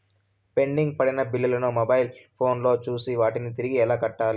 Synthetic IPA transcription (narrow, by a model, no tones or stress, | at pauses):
pe̞ɳɖiŋɡ̚pɐɽinɐbilːilɐnumɐbɐjlpʰo̞ːnlo̞ːt͡ʃuːsiʋaːʈinit̪iɾiɡiɛlaːkɐʈːaːli